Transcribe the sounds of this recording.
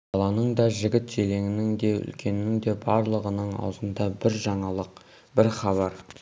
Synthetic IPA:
bɑlˠɑnəɴd̪ɑʒɪɡʲɪt̪ʒele̞ŋɪnɪŋd̪e̞ʏ̰lkʲʰe̞nɪɪŋd̪e̞bɑɾlˠəʁənəɴɑ̰wəzənd̪ɑbɪɾʒɑɴɑlˠəq̚ | bɪɾχɑβɑɾ

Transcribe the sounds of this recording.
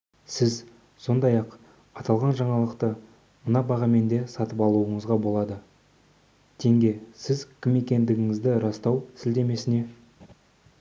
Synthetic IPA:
sɪz | so̞nd̪ɑjɑq | ɑt̪ɑlˠʁɑnʒɑɴɑlˠəqt̪ə | mənɑbɑʁɑme̞nd̪e̞sɑt̪əpɑlˠuəɴəzʁɑbo̞lˠɑd̪ə | t̪ʰe̞ŋɡʲe̞sɪzkʲʰɪme̞kʲe̞nd̪ɪɡʲɪŋɪzd̪ɪɾɑst̪ɑwsɪld̪e̞me̞sɪne̞

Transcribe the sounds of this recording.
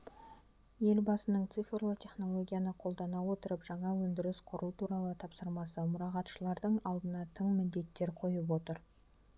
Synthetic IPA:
je̞lbɑsənəɴt̪sɨfrlˠət̪ʲʰe̞χno̞lˠo̞ɡʲijanəqʰo̞lˠd̪ɑnɑwo̞t̪əɾəpʒɑɴɑwɵnd̪ɪɾɪsqʰʊɾt̪ʰuɾɑlˠət̪ʰɑpsəɾmɑsəmʊɾɑʁɑt̪ʃəlˠɑɾd̪əɴɑlˠd̪ənɑt̪ʰəɴmɪnd̪e̞t̪ːe̞ɾqʰo̞jəp̬wo̞t̪əɾ

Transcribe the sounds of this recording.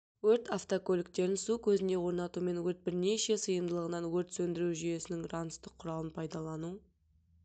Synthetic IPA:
wɵɾt̪aft̪okʰolʲɪk̚t̪e̞ɾɪnsukʲʰɵzɪne̞wo̞ɾnɑt̪ume̞nwɵɾt̪̚bɪɾne̞ʃe̞səjəmd̪əlˠəʁənɑnwɵɾt̪sɵnd̪ɪɾuʒyje̞sɪnɪŋrɑnst̪əqʰːʊɾɑlˠənpʰɑjd̪ɑlˠɑnu

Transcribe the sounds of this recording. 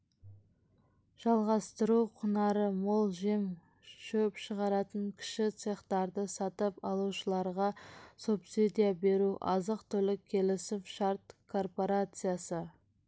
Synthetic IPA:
ʒ̥ɑlˠʁɑst̪əɾuqʰʊnɑɾəmolˠʒim | ʃɵpʃəʁɑɾɑt̪əŋkʲʰɪ̥ʃɪt̪seχt̪ɑɾd̪əsɑt̪əpɑlˠuʃəlˠɑɾʁɑsupsid̪ijabe̞ɾuʔɑzəqt̪ʰɵlɪkʲʰːe̞lɪsɪfʃɑɾt̪kʰo̞rpo̞ɾat̪sɨjasə

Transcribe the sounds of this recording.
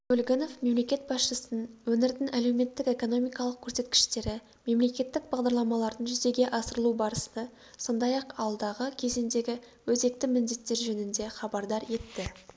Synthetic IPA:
ɡolʲɡʲeno̞fme̞mle̞kʲe̞t̪̚bɑsʃəsənənwɵnɪɾd̪ɪnæle̞wme̞t̪ːɪke̞ko̞no̞mijkɑlˠəq̚kʲʰɵɾse̞t̪kʲɪ̥ʃt̪e̞ɾɪ | me̞mle̞kʲe̞t̪ːɪk̚bɑʁd̪ɑɾlˠɑmɑlˠɑɾd̪ənʒʏze̞ɡʲe̞ʔɑsəɾəlˠubɑɾəsənə | so̞nd̪ɑjɑqɑlˠd̪ɑʁəkʲʰe̞ze̞nd̪e̞ɡʲɪ | wɵze̞k̚t̪ɪmɪnd̪e̞t̪ːe̞ɾʒɵnɪnd̪e̞χɑbɑɾd̪ɑɾje̞t̪ːɪ

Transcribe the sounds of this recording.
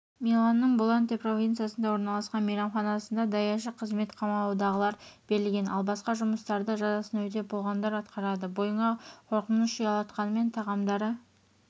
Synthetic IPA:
mʲilˠanːəɴbolˠant̪epro̞vʲint̪sɨjasənd̪ɑwo̞ɾnɑlˠɑsqɑnmiɾɑmχɑnɑsənd̪ɑd̪ɑjɑʃəqʰəzme̞t̪qʰɑmɑɑwd̪ɑʁəlˠɑɾb̥e̞ɾɪlɡʲe̞nɑlˠbɑsqɑʒʊməst̪ɑɾd̪əʒɑzɑsənwɵt̪e̞bo̞lˠʁɑnd̪ɑɾɑt̪qɑɾɑd̪əbo̞jəɴɑqʰo̞ɾqənəsʃəjɑlˠɑt̪qɑnəme̞nt̪ʰɑʁɑmd̪ɑɾə

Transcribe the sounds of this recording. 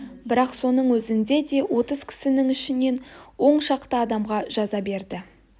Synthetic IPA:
bɪɾɑqso̞nəɴwɵzɪnd̪e̞d̪e̞wo̞t̪əz̥kʲʰɪ̥sɪnɪŋɪʃɪne̞nwo̞ɴʃɑqt̪əɑd̪ɑmʁɑʒ̥ɑzɑbe̞ɾd̪ɪ

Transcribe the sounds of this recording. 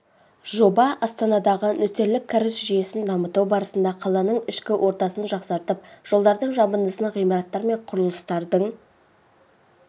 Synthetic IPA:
ʒo̞bɑʔɑst̪ɑnɑd̪ɑʁənʏt̪e̞ɾlɪkʲʰːæɾɪsʒije̞sɪnd̪ɑmət̪uwbɑɾəsənd̪ɑqʰɑlˠɑnəɴɪʃkʲɪwʔo̞ɾt̪ɑsənʒɑqsɑɾt̪əp̚ʒ̥o̞lˠd̪ɑɾd̪əɴʒɑbənd̪əsənʁijmɑɾɑt̪ːɑɾme̞ɴqʰʊɾəlˠəst̪ɑɾd̪əɴ

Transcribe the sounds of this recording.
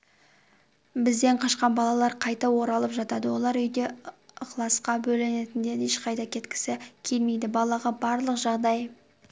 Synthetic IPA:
bɪzd̪e̞ɴqʰɑʃqɑnbɑlˠɑlˠɑɾqʰɑjt̪ɑwo̞ɾɑlˠəpʒɑt̪ɑd̪əwo̞lˠɑɾʏjd̪e̞qlˠɑsqɑbɵlɪnet̪ɪnd̪e̞eʃqʰɑjt̪ɑkʲʰe̞t̪kʲʰɪ̥sɪkʲʰe̞lme̞jd̪ɪbɑlˠɑʁɑbɑɾlˠəqʒɑʁd̪ɑj

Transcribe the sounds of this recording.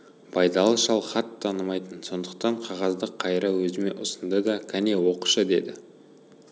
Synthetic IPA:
bɑjd̪ɑlˠəʃɑlˠχɑt̪ʰːɑnəmɑjt̪ənso̞nd̪əq̚t̪ɑɴqʰɑʁɑzd̪əqʰːɑjɾəwɵzɪme̞̰ʔʊsənd̪əd̪ɑkʲʰæne̞wo̞quʃəd̪e̞̰d̪ɪ

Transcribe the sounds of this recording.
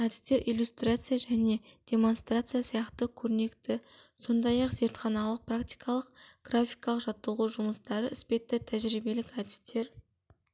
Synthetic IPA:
æd̪ɪ̥st̪e̞ɾʔijlʲust̪rat̪sɨjaʒæne̞d̪̥e̞mo̞nst̪rat̪sɨjasijɑqt̪əkʲʰɵɾɪne̞kt̪ɪso̞nd̪ɑjɑqze̞ɾt̪χɑnɑlˠəq̚prakt̪ʲi̥jkʰɑlˠəqɡ̥rafijkɑlˠəqʒ̥ɑt̪ːəlˠʁuʒʊməst̪ɑɾəɪspe̞t̪ːɪt̪ʰæʒɾijbe̞lɪkæd̪ɪst̪e̞ɾ

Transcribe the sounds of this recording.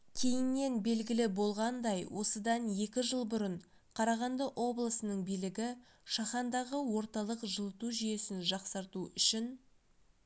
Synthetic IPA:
kʲʰe̞jɪnːe̞nbe̞lɡʲɪlɪbo̞lˠʁɑnd̪ɑjwʔo̞səd̪ɑne̞kʲɪʒəlˠbʊɾəɴ | qʰɑɾɑʁɑnd̪əʔo̞blˠəsənəɴbijlɪɡʲɪ | ʃɑχɑnd̪ɑʁəwo̞ɾt̪ɑlˠəqʒəlˠət̪uʒije̞sɪnʒɑqsɑɾt̪uʏʃɪn

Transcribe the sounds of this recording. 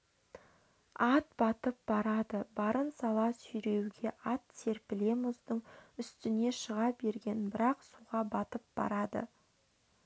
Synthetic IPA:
ɑt̪̚bɑt̪əp̚b̥ɑɾɑd̪əbɑɾənsɑlˠɑsʏjɾe̞wɡʲe̞ʔɑt̪se̞ɾpɪle̞mʊzd̪əɴʏst̪ɪne̞ʃəʁɑbe̞ɾɡʲe̞nbɪɾɑqsuʁɑbɑt̪əp̚b̥ɑ̰ɾɑd̪ə̰

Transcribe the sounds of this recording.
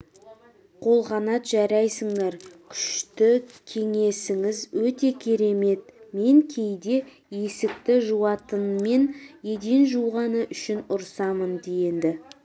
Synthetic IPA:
qʰo̞lˠʁɑnɑt̪ʒɑɾɑjsəɴd̪ɑɾkʲʰʏ̥ʃt̪ɪkʲʰe̞ŋe̞sɪŋɪzwɵt̪e̞kʲʰe̞ɾe̞me̞t̪̚me̞ŋkʲʰe̞jd̪e̞ | je̞sɪk̚t̪ɪʒuwɑt̪ənme̞nje̞d̪e̞nʒuwʁɑnəʔʏʃɪnʊɾsɑmənd̪eje̞nd̪ɪ

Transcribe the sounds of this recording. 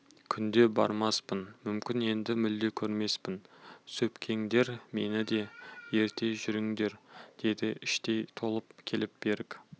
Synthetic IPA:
kʲʰʏnd̪e̞bɑ̰ɾmɑspənmʏmkʲɪne̞nd̪ɪmɪld̪e̞kʲʰɵɾme̞spɪnsɵpkʲʰe̞ŋd̪e̞ɾme̞nɪd̪e̞je̞ɾt̪ʰe̞ʒʏɾɪŋd̪e̞ɾd̪̥e̞d̪ɪʔɪʃt̪e̞jt̪ʰo̞lˠəpkʲʰe̞lɪp̚b̥e̞ɾɪkʲ

